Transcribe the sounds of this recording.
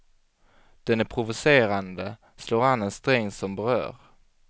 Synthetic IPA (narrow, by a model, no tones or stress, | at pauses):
d̪̥ɛnæɾpʰɾʊvʊseːɾand̪ə | sloːɾanːɛnst̪ɾɛŋːsɔmbɛɾœ̰ːɾ